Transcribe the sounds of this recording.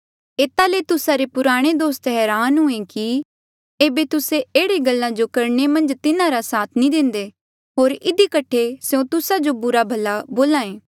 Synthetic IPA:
eːt̪alet̪ʊsaɾepʊɾaːɽ̃ed̪oːst̪ɦɛːɾaːnɦʊẽki | eːbet̪ʊseeːɽeɡɐlːãd͡ʒokɐɾɳemɐ̃nd͡ʒt̪ɪnãɾasaːt̪ʰnĩd̪ɪ̃nd̪e | ɦoːɾɪd̪ikɐʈʰeseõt̪ʊsad͡ʒobʊɾabʱɐlːaboːlãːẽː

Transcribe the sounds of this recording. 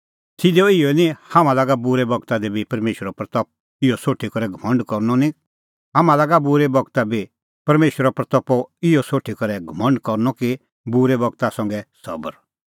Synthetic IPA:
t̪ʰɪd̪ɔɪɔnĩhamãlaːɡabʊɾɛbɔɡt̪ad̪ɛbipɐɾmeːʃəɾɔpɾɐt̪ɔp̚ | ɪjɔsoːʈʰikɔɾɛɡʱɐmə̃ɳɖkɔɾnɔnĩ | ɦaːmãlaːɡabʊɾɛbɔɡt̪abi | pɐɾmeːʃwəɾɔpɾɐt̪ɔpɔɪjɔsoːʈʰikɐɾɛɡʱɐmə̃ɳɖkɔɾnɔki | bʊɾɛbɔɡt̪asɐ̃ŋɡɛsɐ̰bəɾ

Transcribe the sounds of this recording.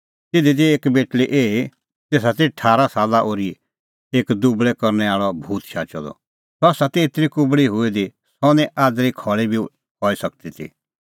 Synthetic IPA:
t̪ɪd̪id̪ieːkbeːʈliʔeːi | t̪eːs̬at̪eʈʰaːɾasaːlaʔoːɾi | eːkd̪ubɭɛkɔɾnɛaːɭɔbʱuːt̪ʃaːt͡ʃɔd̪ɔ̰ | sɔaːsat̪eːt̪ɾikʊbɭiɦʊed̪i | sɔnɛ̃ʔaːd̪ɾikʰɔːɭibʱi | ɦɔːisɐkt̪it̪ʰḭ

